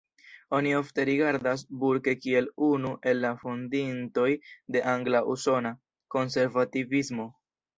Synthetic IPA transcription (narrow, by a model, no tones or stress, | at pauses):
o̞nio̞fte̞ɾiɡaɾdas̬buɾke̞kie̞lunuʔe̞lːafondinto̞jde̞ʔaŋɡlaʔuso̞na | ko̞nse̞ɾvativismo̞